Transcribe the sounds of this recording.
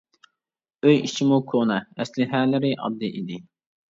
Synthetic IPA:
øjit͡ʃʰimukʰonɛɛslɪɦæːlɪɾɪʔɑ̰b̚d̪ɨʔid̪ɪ

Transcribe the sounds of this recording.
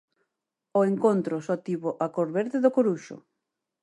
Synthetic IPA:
oeŋkont̪ɾosɔt̪iβoʔakoɾβeɾðeðokoɾuʃo̰

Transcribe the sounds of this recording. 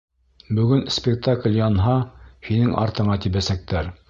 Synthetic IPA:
bɵ̆ɡɵnspʲɪk̚t̪aklʲjɑnɦɑhinɘŋʔɑ̰ɾt̪ɤ̆ɴɑt̪iβæsæk̚t̪æɾ

